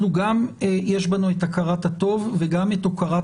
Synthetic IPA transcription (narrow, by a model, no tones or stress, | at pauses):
luɡamjeʃbanuetakaʁathat̪o̞vveɡamet̪okaʁa